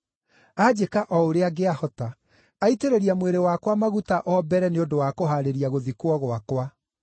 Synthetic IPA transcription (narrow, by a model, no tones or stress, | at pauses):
ad͡ʑekaʔɔoɾeaɡeahɔta | aiteɾeɾiamweɾewakwamaɣutaʔɔbɛɾɛneodowaːkoɦaɾeɾiaɣoðikwɔɣwakwa